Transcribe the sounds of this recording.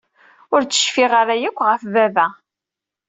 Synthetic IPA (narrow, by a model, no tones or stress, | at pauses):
ʊɾt͡sːə̥ʃfiʁaɾajəkʷːʁəfvævæ